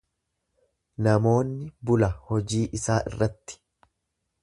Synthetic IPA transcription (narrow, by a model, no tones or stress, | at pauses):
nɐmo̞ːnːɪbʊlɐhɔd͡ʒiːʔɪsaːʔɪ̰rːɐt̪ːɪ̥